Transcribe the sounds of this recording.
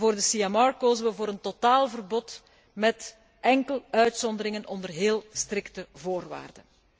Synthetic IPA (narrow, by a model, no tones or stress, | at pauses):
voːrdəsiɛmɑɹkoːzənʋəvoːɾəntotaːlˠvərbɔt | mɛt | ʔɛŋkəlœɥtsɔnd̪əɾɪŋənɔndərɦeːlˠstrɪktəvoːrʋa̰ːrdən